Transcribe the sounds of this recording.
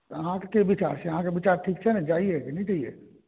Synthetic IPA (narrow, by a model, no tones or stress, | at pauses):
ɐɦãkkeʋɪt͡ʃa̰ːɾsjɐɦãkeʋɪt͡ʃaːɾʈʰiːk̚t͡ʃʰɛnad͡ʒaːiekenĩt͡ʃaːiḛ